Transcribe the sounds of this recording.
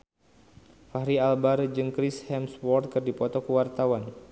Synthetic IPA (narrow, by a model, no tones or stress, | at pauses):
faɦɾialbaɾd͡ʒɨŋkɾishɛmswɔrt̪̚kɨrdipɔt̪ɔkəwart̪awan